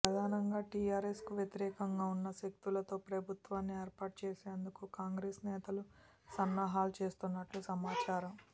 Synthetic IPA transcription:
pɾɐd̪ʱaːnɐŋɡaːʈiːaːɾeskuʋjet̪iɾɛːkɐŋɡaːunːɐʃek̚t̪ulɐt̪o̞ːpɾɐbʱut̪ʋaːnːieːɾpaːʈ̚t͡ʃeːseːnd̪ukukaːŋɡɾeːsnɛːt̪ɐlu | sɐnːaːɦaːlut͡ʃe̞ːst̪unːɐʈlusɐmaːt͡ʃaːɾɐm

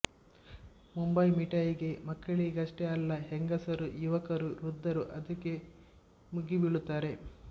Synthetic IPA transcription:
mumbɐjmiʈɐjiɡe̞mɐkːɐɭiɡɐʂʈeɐlːɐɦeŋɡɐsɐɾujuʋɐkɐɾuɾud̪ːɐɾuʔɐd̪ɐkːe̞ | muɡibiɭut̪ːaːɾe

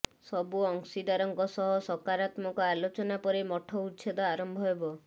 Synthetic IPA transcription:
sɔbuɔŋsid̪aɾɔŋkɔsɔɦɔsɔkaɾat̪mɔŋkɔalot͡ʃɔnapɔɾemɔʈʰɔut̪ːsʰed̪ɔaɾɔmbʱɔɦebɔ

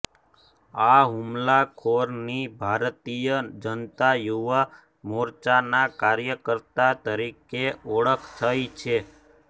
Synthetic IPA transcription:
aɦumlakʰoɾnibʱaɾt̪ijəd͡ʒənt̪ajuʋa | mɔɾt͡ʃanakaɾjəkəɾt̪at̪əɾikeɔɭəkʰt̪ʰəjt͡ʃʰe

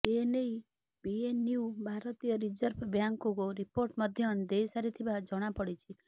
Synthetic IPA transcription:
enei | bienubʱaɾɔt̪ijɔɾid͡ʒəɾbbjaŋkukoɾipoɾʈmʌd̪ʱjɔnd̪ejsaɾit̪ʰibad͡ʒɔɽ̃apɔɽit͡ʃʰi

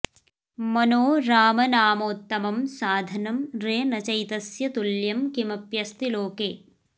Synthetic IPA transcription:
mɐnoːɾaːmɐnaːmoːt̪ːɐmɐmsaːd̪ʱɐnɐmɾeːnɐt͡ʃɐjt̪ɐsjɐt̪uljɐmkimɐpjɐst̪iloːkeː

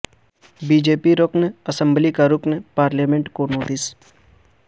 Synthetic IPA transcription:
biːd͡ʒeːpiɾoknɐsə̃mblikaɾʊpnpaːɾlaːmẽɳʈkonoːʈɪs

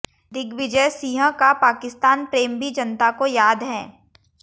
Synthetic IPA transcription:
d̪ɪɡʋɪd͡ʒəjsiːɦə̃kapaːkɪst̪aːnpɾeːmbʱid͡ʒɐnt̪akojaːd̪ɦɛː

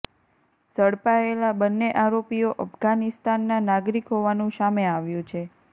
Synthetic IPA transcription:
səɽpaelabənːeʔaɾopijoʔəfɡanɪst̪anːanaɡɾikɦoʋanũsameaʋjũt͡ʃʰe

